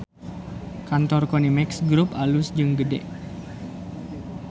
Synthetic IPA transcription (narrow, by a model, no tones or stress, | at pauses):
kant̪ɔrkɔnimɛksɡɾupalʊsd͡ʒɨŋɡədɛ̰ʔ